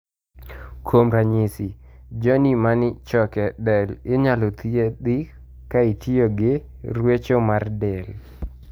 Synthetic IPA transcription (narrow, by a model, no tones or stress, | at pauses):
kʰomɾaɲɪsɪd͡ʒɔnimanɪt͡ʃɔkɛdɛlɪɲalɔt̪ied̪ɪ | kaitioɡɪ | rwet͡ʃomardɛl